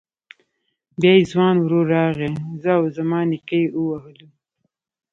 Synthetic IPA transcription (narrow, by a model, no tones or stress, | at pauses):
bjaːizwɑːnwɾoːɾɑːɣẽzawzɐmɑːnikəjuwɐɦlu